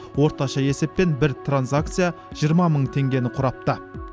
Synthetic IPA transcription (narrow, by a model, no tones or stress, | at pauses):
wo̞ɾt̪ɑʃɑje̞se̞p̚ːe̞nbɪɾt̪ʰranzak̚t̪sɨja | ʒ̥ijəɾmɑməɴt̪ʰe̞ŋɡʲe̞nɪqʰʊɾɑp̚t̪ə